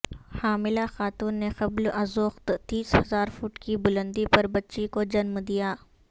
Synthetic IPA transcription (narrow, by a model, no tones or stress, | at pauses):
haːmɪlaxaːt̪uːnːexɐblɐzʊxt̪t̪iːshɐzaːɾfuːʈkibʊlə̃nd̪ipɐɾbɐtːʃikod͡ʒɐnmd̪ijaː